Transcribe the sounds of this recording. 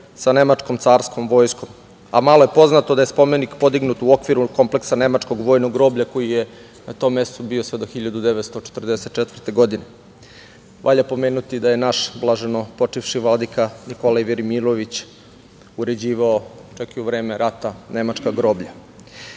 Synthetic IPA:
sane̞mat͡ʂko̞mt̪saːɾsko̞mʋo̞ːjsko̞m | a̰maloje̞po̞znat̪od̪aje̞spo̞menikpo̞d̪iɡnut̪uo̞kʋiɾuko̞mple̞ksane̞mat͡ʂko̞ɡʋo̞jnoɡɾo̞ːbʎako̞jije | nat̪o̞mːe̞st̪obiosʋe̞d̪oxiʎad̪ud̪eʋet̪st̪o̞t͡ʃe̥t̪r̩d̪eset̪̚t͡ʃet̪ʋərt̪e̞ɡo̞d̪ine | ʋʔa̰ʎapo̞meːnut̪id̪ajenaʃblˠaʒeno̞po̞t͡ʂifʂiʋlad̪ikanikolaʋeɾimilˠoʋit͡ɕ | uɾe̞d͡ʑiːʋaot͡ʃakiuʋɾe̞ːme̞ɾat̪ane̞mat͡ʂkaɡɾo̞ːbʎa

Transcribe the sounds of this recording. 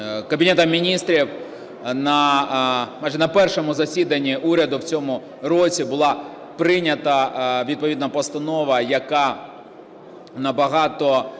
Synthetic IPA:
kɐbʲinɛt̪ɐmʲinʲist̪ɾʲiw | nɐ | majʒɛnɐpɛrʃɔmʊzɐsʲid̪ɐnʲːiʔuɾʲɐd̪ʊwt͡sʲɔmʊ | ɾɔt͡sʲibʊlˠɑ | pɾɪnʲɐt̪ɐʋʲid̪̚pɔʋʲid̪nɐpɔst̪ɐnɔʋɐjɐkɑ | nɐbɐɦɑt̪ɔ

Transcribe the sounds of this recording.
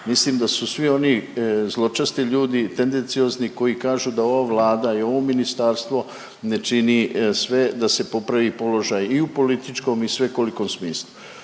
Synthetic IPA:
misliːmd̪asusʋio̞nizlˠo̞t͡ʃast̪iʎuːd̪it̪e̞nd̪e̞nt̪sio̞ːzniko̞jikaːʒud̪ao̞ʋaʋlaːd̪aio̞ʋo̞minist̪aɾst̪ʋo̞ | ne̞t͡ʃinisʋe̞d̪ase̞po̞pɾaʋipo̞lo̞ʒajiupo̞lit̪it͡ʃko̞misʋe̞ko̞liko̞msmiːslˠu

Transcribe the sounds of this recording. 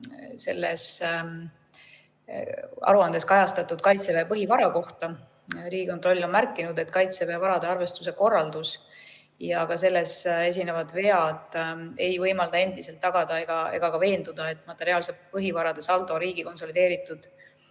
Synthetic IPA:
se̞lːḛs | ɑ̰ɾuɑnd̪e̞skɑjɑst̪ɑt̪ːˑud̪̥̚kɑjt̪sevepɤɦivɑɾɑko̞ht̪ɑ | ɾiːɡ̥ikont̪ro̞lʲːo̞nmærkːˑinud̪e̞t̪ːkɑjt̪seveɑvɑɾɑd̪eɑrve̞st̪use̞ko̞rːɑld̪us | jɑɡ̥ɑse̞lːe̞se̞s̬ʲinevɑd̪ve̞ɑd̪̥e̞jvɤjmɑld̪̥ɑe̞nd̪̥ise̞lt̪ːɑɡ̥ɑd̪̥ɑe̞ɡ̥ɑe̞̰ɡ̥ɑkɑve̞ːnd̪ud̪̥ɑe̞t̪ːˑmɑt̪ːˑe̞ɾiɑːlsepɤɦivɑɾɑd̪̥e̞sɑlt̪ˑo̞ɾiːɡ̥iko̞nso̞lid̪e̞ːɾit̪ːˑud̪̥

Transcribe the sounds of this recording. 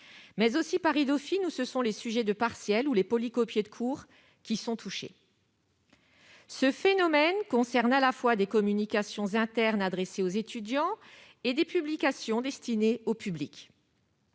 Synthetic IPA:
mɛzosipaʁid̪ɔfinusəsɔ̃lesyʒɛd̪əpaʁsjɛlulepɔlikɔpjed̪əkʰuʁ | kʲisɔ̃t̪ʰuʃḛ | səfenɔmɛnkɔ̃sɛʁnalafwad̪ekɔmynikʲasjɔ̃zɛ̃t̪ɛʁnad̪ʁeseozet̪ʰyd̪jɑ̃ | ed̪epyblikasjɔ̃d̪ɛst̪ineopyblik

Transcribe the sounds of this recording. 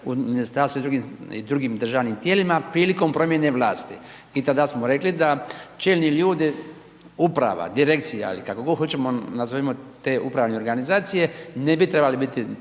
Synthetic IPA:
uminist̪aɾst̪uid̪ɾuɡimḭd̪ɾuɡiːmd̪r̩ʒaːʋnimt̪jeːlimapɾiːliko̞mpɾo̞mje̞neʋlˠaːst̪i | it̪ad̪asmoɾe̞klid̪at͡ʃeːlniʎuːd̪i | upɾa̰ʋa̰d̪iɾe̞kt̪sija̰ḭlikakoɡoxo̞t͡ʃemonazoimot̪eːʔupɾaːʋneo̞ɾɡanizaːt̪sije̞nebit̪ɾebalibit̪i

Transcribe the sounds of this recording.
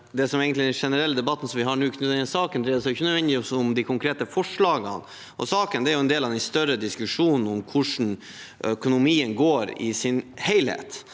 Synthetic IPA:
d̪ɛsɔmeːɡənt̪lɪd̪ɛnʂɛnəɾɛlːəd̪ɛbɑt̪ːn̩sɔmʋɪɦɑɳʉːkʰnʉd̪ɛnəsɑːkənd̪ɾɛsɔɪçənœd̪ʋɛnd̪ɪɔsʊmd̪ɪkʰʊŋkʰɾeːt̪əfɔʂɭɑːɡə̰n | ʔɔ̰sɑːkənd̪ɛæɾjʊɛnd̪eːlɑʋd̪ænst̪œɾəd̪ɪskʉʂuːnn̩ɔmkʰʊʂn̩ | œkʊnʊmiːənɡoːɾɪ̰sɪnheɪlhḛːt̪

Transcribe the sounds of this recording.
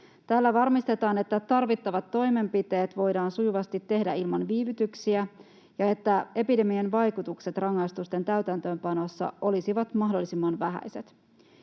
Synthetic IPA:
t̪æːlːæʋɑrmist̪et̪ɑːne̞t̪ːæt̪ɑrʋit̪ːɑʋɑt̪ːo̞jme̞mpit̪e̞ːt̪ʋo̞jdɑːnsujuʋɑst̪it̪ːe̞hdæilmɑnʋiːʋyt̪yksiæ | jɑe̞t̪ːæe̞pide̞mienʋɑjkut̪ukset̪rɑŋːɑjst̪ust̪e̞nt̪æyt̪ænt̪ø̞ːmpɑno̞sːɑ̰ʔo̞lisiʋɑt̪mɑɦdo̞lːisimːɑnʋæɦæ̰jse̞t̪

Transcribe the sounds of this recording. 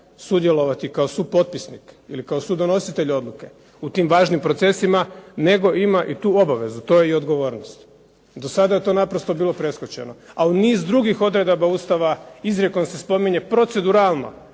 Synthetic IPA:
sud̪je̞lˠo̞ʋat̪ikao̞suːpo̞t̪̚pisnikḭlikaosud̪o̞no̞sit̪e̞ʎo̞d̪luke̞ | ut̪imʋaːʒnimpɾo̞t̪se̞simane̞ɡo̞ʔimaʔit̪uːo̞baʋe̞zut̪o̞ːje̞io̞d̪ɡo̞ʋo̞ːɾnost̪ | d̪o̞sad̪aje̞t̪o̞ːnapɾo̞st̪o̞biːlˠo̞pɾe̞skot͡ɕe̞̰no̞auniːzd̪ɾuɡixo̞d̪ɾe̞d̪abauːst̪aʋaizɾekonse̞spo̞miɲe̞pɾo̞t̪se̞d̪uɾaːlˠno̞̰

